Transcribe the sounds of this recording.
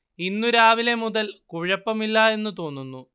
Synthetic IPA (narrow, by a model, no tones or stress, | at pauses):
inːuɾaːʋile̞muðɐlkuɻɐpːɐmilːɐe̞nːut̪o̞ːnːunːu